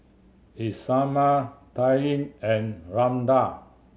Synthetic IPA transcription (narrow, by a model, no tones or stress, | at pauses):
isamataĩnɛ̃nɹãmda